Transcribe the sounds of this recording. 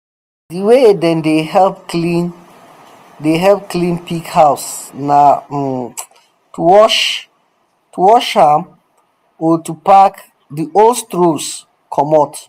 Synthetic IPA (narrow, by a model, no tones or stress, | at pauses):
diwedɛ̃ndeɦɛlpklĩn | deɦɛlp̚klĩnpikhaʊsna | tuwɔʃ | tuwɔʃhãm | ɔtupak | diʔolstɹos | kʰɔmɔt